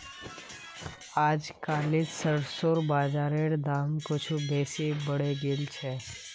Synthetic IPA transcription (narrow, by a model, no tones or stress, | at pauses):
aːd͡ʒkaːlɪd͡ʒsəɽsoːɾbaːd͡ʒaːɾeɽd̪aːmkot͡ʃʰubɛːsebəɽeɡeːlt͡ʃʰɛː